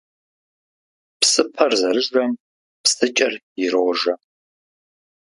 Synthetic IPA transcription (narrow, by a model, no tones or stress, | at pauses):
psɨpʰɐrzɐɾɨʒɐm | pstʰɨt͡ʃʼɐr | ɪɾowʒɐ